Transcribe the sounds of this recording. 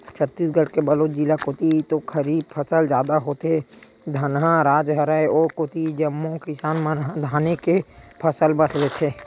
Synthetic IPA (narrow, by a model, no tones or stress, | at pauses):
t͡ʃʰət̪ːiːsɡʱəɽkebəloːt͡ʃd͡ʒilakoːt̪it̪okʰəɾiːb̚pʰəsəld͡ʒjaːd̪aɦot̪e | d̪ʱənɦãɾaːd͡ʒɦəɾəeɔːɾkoːt̪id͡ʒəmːõkɪsaːnmənɦãd̪ʱaːnekepʰəsəlbəslet̪ʰeː